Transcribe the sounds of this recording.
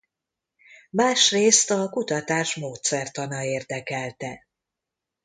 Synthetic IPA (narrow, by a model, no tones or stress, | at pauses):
maːʃreːst̪ɒkut̪ɒt̪aːʃmoːt̪sɛrt̪ɒnɒeːrd̪ɛkɛlt̪ɛ